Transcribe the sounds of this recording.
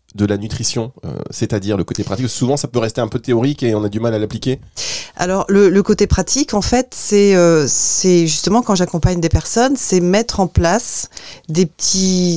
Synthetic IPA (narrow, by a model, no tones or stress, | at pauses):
d̪əlanyt̪χisjɔ̃ø̰sɛt̪ad̪iʁləkot̪epχat̪iksuvɑ̃sapøʁɛst̪eɛ̃pøt̪eɔʁikeɔ̃nad̪ymalalaplikʲea̰lɔʁlələkot̪epχat̪ʰikɑ̃fɛt̪sɛøsɛʒyst̪əmɑ̃kɑ̃ʒakɔ̃paɲd̪epɛʁsɔnsɛmɛt̪χɑ̃plasd̪epət̪ʰi